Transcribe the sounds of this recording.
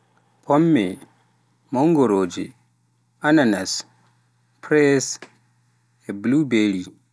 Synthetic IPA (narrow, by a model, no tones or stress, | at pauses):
pʰɔmːɛ | mɔŋɡɔɾoːd͡ʒɛ | ananas | pʰɾɛs | ɛblubeli